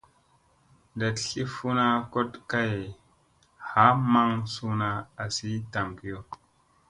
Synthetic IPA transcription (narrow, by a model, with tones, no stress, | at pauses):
nda˨tɬi˦fu˦na˦ko˦tka˦j | ha˨˦ma˦ŋsu˦na˦a˨si˦ta˨mki˨jo˦˨